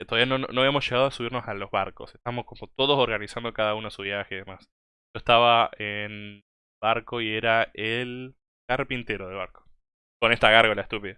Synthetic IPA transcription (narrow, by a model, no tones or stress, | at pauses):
t̪oðaβianono̞aβiamosʃe̞ɣað̞oasuβiɾno̞salo̞zβa̰ɾko̞̰seht̪aβmo̞sko̞mo̞t̪o̞ð̞o̞so̞ɾɣanisand̪o̞kaðaunosuβjaxeiðemas | ʒ̥o̞est̪aβaen | baɾko̞ie̞ɾael | kaɾpint̪eɾo̞ðe̞lβaɾko̥ | ko̞ne̞st̪aɣaɾɣolaest̪upiða